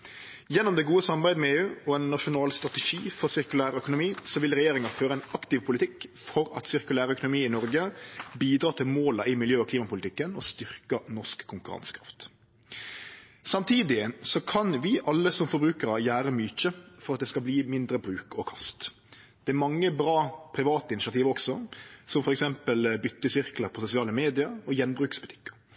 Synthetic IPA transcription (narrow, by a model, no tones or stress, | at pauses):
jɛnːɔmd̪ɛɡuːəsɑmbæɪmɛeːʉːɔɛnːɑʂʊnɑːlst̪ʁɑt̪ɛʂiːfɔʁsɪʁkʉlæːɾœkʊnʊmiːsɔʋɪlʁɛjeːɾɪŋɑføːɾəɛɪnɑkt̪ɪʋpʰʊlɪt̪ɪkfɔɾɑ̰t̪sɪʁkʉlæːɾəœkʊnʊmiːɪnɔɾɡəbiːd̪ɾɑːt̪ʰɪlmoːlɑɪmɪljøːɔkʰliːmɑpʊlɪt̪ɪkːənɔst̪ʏʁkənɔʂkʰːʊŋkʉɾɑ̰nskʰɾɑ̰ft̪ | sɑmt̪ʰiːd̪ɪsɔkʰɑnʋɪʔɑlːəsɔmfɔɾbɾʉːkəɾɑjæːɾəmyːt͡ʃəfɔɾɑt̪̚d̪ɛskɑlbliːmɪnd̪ɾəbɾʉːkɔkʰɑst̪ | d̪̥ɛæɾmɑŋːəbɾɑːpʰɾɪʋɑːt̪əɪnɪsɪɑt̪iːʋɔksɔsɔmfɔɾɛksɛmpəlbʏt̪ːəsɪʁkləpʰɔsʊsɪɑːləmeːd̪ɪəɾɔjɛnbɾʉːkspʊt̪ʰɪ̥kːə̥ɾ